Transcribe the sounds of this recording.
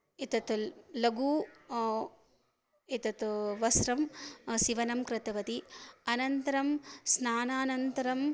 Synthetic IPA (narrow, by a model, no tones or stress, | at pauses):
it̪ɐt̪lɐɡuː | it̪ɐt̪ʋɐsɾɐmsiʋɐnɐmkɾɪt̪ɐʋɐt̪iɐnɐnt̪ɐɾɐmsnaːnaːnɐnt̪ɐɾɐm